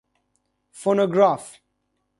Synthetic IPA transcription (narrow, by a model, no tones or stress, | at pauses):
fɔnoɡɹaf